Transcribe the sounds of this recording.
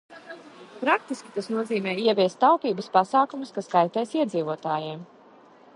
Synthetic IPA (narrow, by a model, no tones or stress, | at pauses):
pɾak̚t̪iskʲi̥t̪asnuɔziːmɛːiɛvʲiɛst̪ːawpʲiːbɐspasaːkumuskaskajt̪ɛːsiɛd̪ziːvuɔt̪aːjiɛm